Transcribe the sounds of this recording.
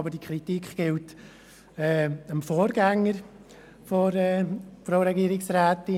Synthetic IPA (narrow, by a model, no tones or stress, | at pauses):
bəd̥ikʰɾitikχɡ̥ɪlt | ɛːəmfoːɾɡɛŋːəɾ | fɔɾɛːfɾoːɾɛɡiːɾɪksɾæːtɪ